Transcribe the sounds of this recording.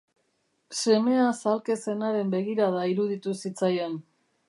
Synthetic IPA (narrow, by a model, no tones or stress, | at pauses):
se̞me̞asalke̞se̞naɾe̞mbe̞ɣiɾaðaiɾuð̞it̪usit͡sajen